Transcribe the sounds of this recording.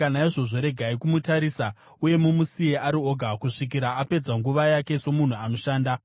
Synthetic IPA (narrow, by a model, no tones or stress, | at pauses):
anaiʐo̞ʐo̞ɾe̞ɡʱaikumutaɾiːsa | uje̞mumusieaɾio̞ɡʱakuʂik̬iɾaːpe̞d͡zaŋɡuʋajake̞so̞mun̤uano̞ʃaːnda